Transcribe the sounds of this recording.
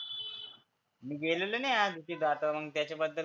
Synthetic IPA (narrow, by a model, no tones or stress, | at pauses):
miɡeːluluneaːd̪ik̪id̪aːt̪ɐɐmɐŋt̪jaːt͡ʃɐbɐd̪ːɐ